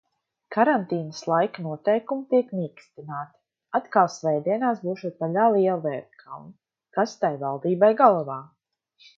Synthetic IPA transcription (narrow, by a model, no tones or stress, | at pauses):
kaɾant̪iːnəslˠajknuɔt̪ɛjkumit̪iɛkniːkst̪inaːt̪i̥ | at̪kalˠsvɛjd̪iɛnaːsbuːʃut̪paʎʲaːlˠiɛlˠvɛːɾt̪kʰa̰wn | kast̪ajvalˠd̪iːbajɡalˠɔvaː